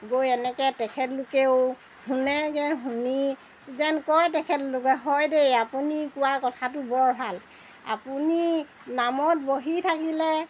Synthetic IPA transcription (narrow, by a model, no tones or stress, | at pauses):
ɡojɛnɛkɛtɛkʰɛtlʊkeʊ | hunɛkɛɦuni | zɛnkɔjtɛkʰɛtlʊkɛɦɔjdejapunikʊwakɔtʰatʊbɔɹbʱal | a̰puni | namɔt̚boɦitʰakilɛ